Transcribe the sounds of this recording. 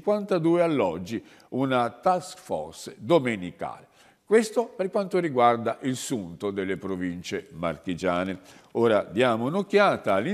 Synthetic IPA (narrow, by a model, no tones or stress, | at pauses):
kwant̪ad̪uːealːɔd͡ʒːi | unat̪askfɔ̰rsd̪omenika̰ːle | kwest̪operkwant̪oriɡward̪aʔilsunt̪od̪elːepɾovint͡ʃema̰rkid͡ʒaːneoːɾad̪jaːmonokːjaːt̪aːlːi